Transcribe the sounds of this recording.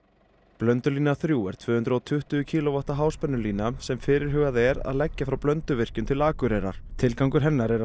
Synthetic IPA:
plœnt̪ʏliːnaθɾjuːɛɾ̥t̪ʰvʏːhʏnt̪ɾɔwt̪ʰʏht̪ʏʏcʰiːlɔvaht̪aɦaːwspœnːʏliːnasɛmfɪɾɪɾ̥ɦʏɣaðɛɾa̰ðlɛcːafɾawplœnt̪ʏvɪr̥cʏmt̪ʰɪlaːkʏɾɛjɾa̰ɾ̥t̪ʰɪlkawŋkʏɾ̥ɦɛnːaɾɛɾa

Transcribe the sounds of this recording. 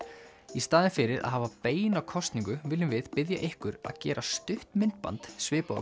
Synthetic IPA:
ist̪aːðɪnfɪɾɪɾʔa̰ðɦaːvapeːjnawkʰɔst̪niŋkʏvɪːlːɪmvɪðpɪðja̰ʔɪhkʏɾa̰ðcɛːɾʔast̪ʏht̪mɪnt̪̚pa̰nt̪svɪːpo̰

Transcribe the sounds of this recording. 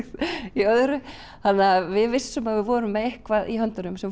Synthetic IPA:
iœðʏɾʏ | θanːavɪðvɪsːʏmaðvɪvɔːɾʏmːɛðehkvaðiɦœnt̪ʏɾʏmsɛm

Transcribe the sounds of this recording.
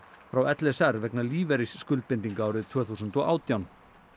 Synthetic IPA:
fɾawɛt̪lɛsɛɾvɛknaliːvɛɾisːkʏlt̪̚pɪnt̪iŋkaaːwɾɪðt̪ʰv̥œːθusʏnt̪ɔʔaːwt̪jawn

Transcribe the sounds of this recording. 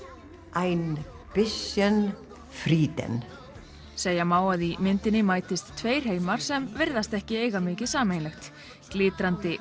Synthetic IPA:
ajn | pɪsjɛn | fɾiːt̪ɛ̰n | seːjamaːwaðimɪnt̪ɪnɪmaːjt̪ɪst̪ʰːveːjr̥heːjmaɾ̥sɛmvɪɾðast̪ɛhcɪeːjɣamɪːcɪsaːmejnlɛxt̪ | klɪːt̪ɾant̪ɪ

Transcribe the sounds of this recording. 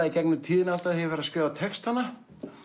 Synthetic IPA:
aicɛknʏt̪ʰiːðɪnalt̪aðhɛjvɛɾaskɪːvat̪ʰɛkst̪anːa

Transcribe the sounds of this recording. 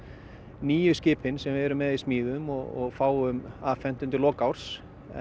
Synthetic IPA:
niːjʏscɪːpʰɪnsɛmvɪɛɾʏmːɛðismiːðʏmɔɣɔ̰ɣfaːwʏmafɛm̥t̪ʏnt̪ɪlɔːkawɾ̥s

